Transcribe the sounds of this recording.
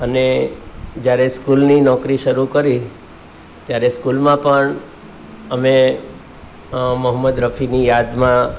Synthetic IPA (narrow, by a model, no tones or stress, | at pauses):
əne | d͡ʒjaɾeskulninɔkɾiʃəɾukəɾi | t̪jaɾeskulmãpəɳ | əme | məɦəmːəd̪ɾəpʰinijad̪mã